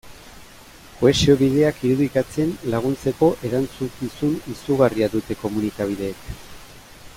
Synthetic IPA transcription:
koe̞sio̞βið̞e̞akiɾuðikat͡se̞nlaɣ̞unt͡se̞ko̞ʔe̞ɾant͡sukisunisuɣariaðut̪e̞ko̞munit̪aβ̞iðe̞ːk

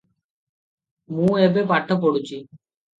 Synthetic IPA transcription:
mũːeːbeːpaːʈʰəp̬oɽut͡ʃiː

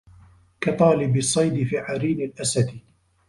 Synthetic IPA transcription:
kɑt̪ˤɑːlɪbɪsˤːɑjd̪ɪfiːʕaɾiːnɪlʔasat̪

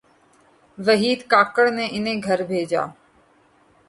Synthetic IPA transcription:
ʋəɦiːd̪kaːkəɽneʔɪnẽːɡʱəɾbʱeːd͡ʒa̰ː

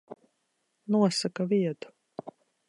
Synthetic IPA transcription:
nuɔsakaviɛt̪u̥

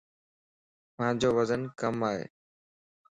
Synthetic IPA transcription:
mãːd͡ʑoːʋəzənkəmaːɦḛː

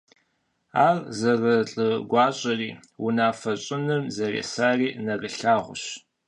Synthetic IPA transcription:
aːrzɐrɐɬʼɨɡʷɑːɕʼɐriːwʊnaːfɐɕʼɪnɨmzɐrḛːsaːriːnɐrəɬaːʁʷʊɕ

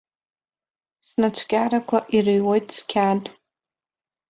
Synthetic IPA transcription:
snat͡ʃʷʰkʲʼaɾakʷʰaʔirɨjwojtʼskʲʰatʼ

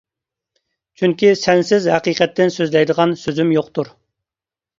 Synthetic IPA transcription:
t͡ʃʰyŋkʲisɛnsɪzhæqiqɛt̪ʰːɪnsøzlɛjd̪əʁɑnsøzymjoqt̪uɾ

